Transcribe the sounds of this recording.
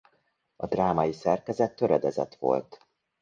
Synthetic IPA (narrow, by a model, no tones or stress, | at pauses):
ɒd̪raːmɒjisɛrkɛzɛt̪ːøɾɛd̪ɛzɛ̰t̪ʋo̞̰lt̪